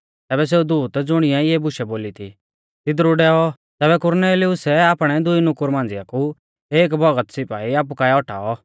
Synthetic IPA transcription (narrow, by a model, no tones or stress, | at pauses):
t̪ɛːbɛs̬eːud̪uːt̪d͡zʊɽ̃ɪjãijɛbʊʃɛboːlit̪ʰḭ | t̪ɪd̪ɾuɖɛɔ | t̪ɛːβɛkʊɾneːliʊsɛaːpɽ̃ɛd̪ʊinʊkʊɾmãːn̆d͡zɪjaku | eːk̬bʱɔɡət̪sɪpaːiaːp̬ukaɛɔʈʰa̰ːɔ